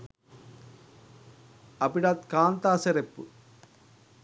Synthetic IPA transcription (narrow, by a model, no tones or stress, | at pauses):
ɐpiɽaːt̪̚kaːnt̪aːsɐɾɛpːɯ̰